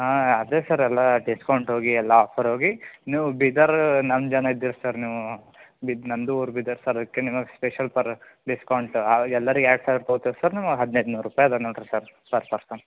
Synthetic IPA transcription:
aɐd̪eːsɐɾɛlːɐɖiskɐwɳʈɦo̞ːɡiɛlːaaːpʰɐɾɦoːɡiniːʋubid̪ɐɾnɐmd͡ʒɐnɐid̪ːiːɾusɐɾniːʋu | binɐnd̪uuːɾbid̪ɐɾsɐɾɐd̪ɐkːenimɐɡespeʃɐlpɐɾɖiskɐwɳʈaɛlːɐɾiɡaːʈsaːɾt̪oɡt̪iɾsɐɾnimɐɡɦɐd̪nejd̪unuːɾɾupaːjɐd̪ɐnoɭʈɾɐɾsɐɾpɐɾpɐɾsɐm

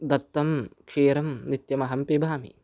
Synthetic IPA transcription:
d̪ɐt̪ːɐmkʂeːɾɐmnit̪jɐmɐɦɐmpibʱaːmḭ

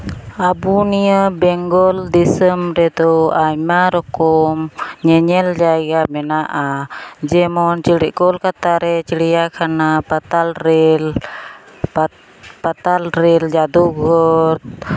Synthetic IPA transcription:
abunijəbɛŋɡɔld̪isəmɾɛd̪ɔʔajmaɾɔkɔmɲɛɲɛld͡ʒaɡamɛnaʔad͡ʒɛmɔnt͡ʃiɽiʔkɔlkat̪aɾɛt͡ʃiɽijakʰanapat̪alɾɛl | pat̪alɾɛld͡ʒad̪uɡɔɾt̪̚

